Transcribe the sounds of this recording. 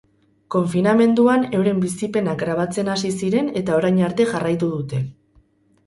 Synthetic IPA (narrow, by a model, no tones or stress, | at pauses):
ko̞ɱfiname̞nd̪uane̞wɾe̞mbisipe̞nakɡɾaβ̞at͡se̞nasisiɾe̞ne̞t̪ao̞ɾajɲaɾt̪e̞ʝarajt̪uðut̪e̞